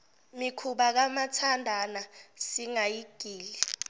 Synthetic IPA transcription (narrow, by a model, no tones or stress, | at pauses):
mikʰuɓak̬amatʰandʱanasiŋajiɡ̥ʱiːli